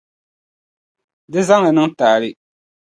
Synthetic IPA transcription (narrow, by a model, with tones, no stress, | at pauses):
dɪ˦za˦ŋla˨nɨ˦ŋtaː˨lɪ˦